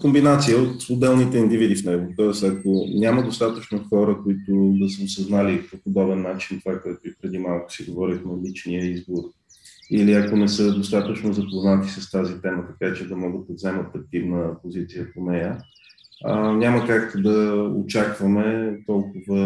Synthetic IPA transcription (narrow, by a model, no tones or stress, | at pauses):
kombinat̪sijəot̪od̪d̪ɛlˠnit̪ɛind̪ivid̪ifnɛɡʊt̪ɔɛst̪ɐkonʲaməd̪ost̪at̪ət͡ʃnoxɔɾəkoit̪ʊd̪ɐsəʊsɐznalipopod̪ɔbɛnːat͡ʃint̪ovakɔjɛt̪ʊipɾɛd̪imalˠkʊ̥siɡovɔɾʲixnɐlit͡ʃnijəizboɾ | iliɐkonɛsɤd̪ost̪at̪ət͡ʃnozɐpoznat̪isəst̪azit̪ɛmət̪ɐkat͡ʃɛd̪ɐmɔɡəd̪̚ɐvzɛmət̪ɐk̚t̪ivnəpozit̪sijəponɛjə | nʲaməkakd̪ɐo̰t͡ʃakvəmɛt̪ɔlˠkʊvə